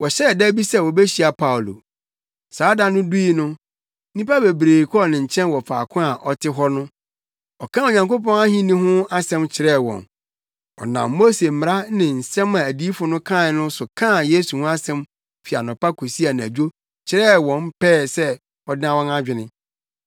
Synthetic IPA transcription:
wɔ˨ɕɛ˦˨dɛ˦bi˦sɛ˦wɔ˨be˦ɕi˨˦a˨pʰa˦wlo̰˨ | saː˨˦da˦nʊ̃˦du˦i˦nʊ̃˦ | nĩ˦pa˦be˨bɾeː˨kʰɔ˦ɔ˦˨nɪ̃˨ɲ̩˨t͡ɕʰɛ̃˦nwɔ˨fa̰ː˨kʰʊ̃˦a˨ʔɔ˨tʰɪ˦ɦɔ˦nʊ̃˦ | ɔ˨kʰã˦˨o˨ɲã˨ŋko˦pɔ̃˦na˦ɦĩ˦nĩ˦ɦʊ̃˦a˦sɛ̃˦mt͡ɕʰɪ˨ɾɛ˦˨wɔ̰̃˨n | ɔ̰˨nã̰˨mːo˦se˨m̩˨m˨ɾa˦nɪ̃˨n̩˨sɛ̃˦mã˨æ˨diː˦fʊ˨nʊ̃˦kʰã˦˨nʊ̃˦sʊ˨kʰã˦˨je˦su˨hʊ̃˦a˦sɛ̃˦m | fi˨a̰˨nʊ̃˨pa˦kʰo˨si˦a˨n˨æ̰˨d͡ʑᶣo˦ | t͡ɕʰɪ˨ɾɛ˦wɔ̃˨mpʰɛː˦˨sɛ˦ | ɔ˨dɪ˦ã˦wɔ̃˦na˦d͡ʑᶣɪ˨nɪ̃˦

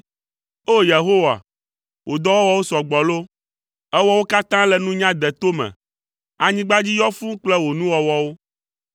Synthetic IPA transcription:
o˦je˨ɦo˦wa̰˨ | wʔo˨d̪ɔ˦wɔ˦wɔ˦wo˦sɔ˨ɡ͡bɔ˨lo˦ | ɛ˦wɔ˦wo˦ka˦t̪ã˦lɛ˨nũ˦ɲã˦d̪ɛ˨t̪o˦mɛ̰̃˨ | a˨ɲĩ˦ɡ͡ba˦d͡ʑi˦jɔ˦fũ˦k͡plɛ˦wo˨nũ˦wɔ˨wɔ˦wo˦

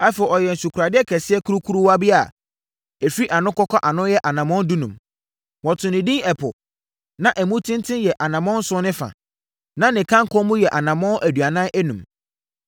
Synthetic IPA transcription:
a˦fɛ˨ɔ˨jɛ˨n̩˨su˨kʰɾa˨dɪ˦ɛ˦kʰɛ˨sɪ˦ɛ˦kʰu˦ɾu˦kʰu˦ɾu˦wa˦bɪ˦a˨ | ɛ˨fi˦ʔa˨nʊ̃˦kɔ˦kʰɔ˦ʔa˨nʊ̃˦jɛ˦ʔa˨nã˨mɔ̃˦n̩˦du˦nũ˨m | wɔ̃˨tʰʊ̃˨nɪ̃˨dĩ˦ɛ˨pʰʊ˨ | nã˦˨ʔæ˨mũ˦tʰɪ̃˦n˦tʰɪ̃˦jɛ˨ʔa˨nã˨mɔ̃˦n̩˦sʊ̃˦nɪ̃˦fã̰˨ | nã˦nɪ̃˨kʰã˦ŋ˦kʰɔ̃˦mũ˦jɛ˨ʔa˨nã˨mɔ̃˦nʔæ˨dɥa˨nã˦ʔæ˦nũ˨m

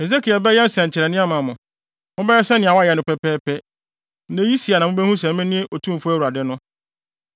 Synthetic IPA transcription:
he˨ze˦kʰi˨a˨bɛ˦jɛ˦n̩˦sɛ̃˨ɲ̩˨t͡ɕʰɪ˨ɾɛ˨nɪ̃˦a˦mã˨mʊ̃˨ | mʊ̃˦bɛ˦ɛ˦sɛ˦nɪ̃˨a˨wa˦jɛ˨nʊ̃˨pɛ˦pɛː˦pɛ˦ | nẽ˦ji˦si˨a˨nã˨mʊ̃˦bɛ˦hũ˦s̬ɛ̃˨m˦mɛ̃˦nɪ̃˦e˦ʔo˨tʰũ˦m̩˨fʊ˦æ˦wu˨ɾa˨dɪ˦nʊ̃˦

